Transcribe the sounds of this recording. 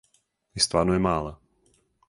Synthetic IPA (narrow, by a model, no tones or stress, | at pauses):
jɪst̪vaːnujɛmaːla